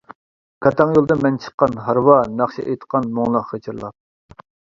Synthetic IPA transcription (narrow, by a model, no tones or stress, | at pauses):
kʰɑt̪ʰɑŋjolˠd̪ɨmɛnt͡ʃʰə̥qːɑnɦɑɾwɑnɑχʃiʔejt̪qʰːɑnmoŋlˠɑqχət͡ʃʰɨɾlˠɑ̰p̚